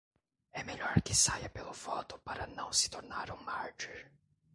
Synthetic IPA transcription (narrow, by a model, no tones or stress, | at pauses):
ɛmeʎɔɾkɪsajɐpelʊvɔt̪ʊpaɾɐnɐ̃w̃sɪ̥t̪oɾnaɾũmaɾd͡ʒiɾ